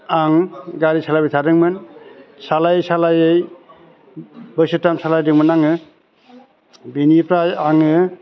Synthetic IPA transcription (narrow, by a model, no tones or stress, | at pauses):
aŋɡaɾisalajbɯsʰadɯŋmɯnsalajjsalajej | bɯjsɯtamsalajdɯŋmɯnaŋɯ | binipʰɾajaŋɯ